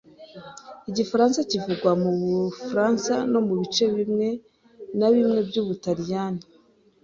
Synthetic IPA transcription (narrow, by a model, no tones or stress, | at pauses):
iɟifaɾaːnsacivuɡwamuβufɾaːnsano̞muβit͡ʃe̞βimŋe̞ | naβimŋe̞bɟuːβutaɾijani